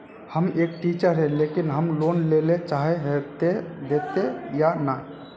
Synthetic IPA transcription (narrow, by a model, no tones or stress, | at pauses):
həmeːk̚ʈit͡ʃəɾɦɛ̃lekinɦəmlonlelet͡ʃaɦeɦet̪ed̪et̪ejana